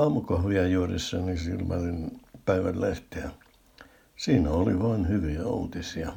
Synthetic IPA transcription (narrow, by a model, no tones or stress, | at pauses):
ɑːmukɑhʋiɑjuːrḭsːɑnisḭlmæ̰rinpæiʋæ̰lleht̪iɑ | siːnæoliʋɑːnhyʋiæṵːt̪isiɑ